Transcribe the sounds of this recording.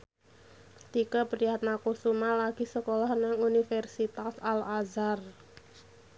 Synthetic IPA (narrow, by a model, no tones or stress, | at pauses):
t̪ikəpəɾijat̪̚nakusumalaɡ̥i̤səkɔlɔhnaŋunifɛrsit̪asalazar